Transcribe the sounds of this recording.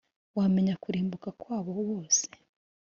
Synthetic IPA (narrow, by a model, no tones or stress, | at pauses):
wame̞ɲakuɾiːmbukakwaːβowo̞ːse